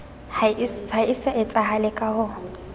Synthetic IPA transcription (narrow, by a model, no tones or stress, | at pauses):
haisɛʔɪt͡sʼaɦalɪkʼahʊ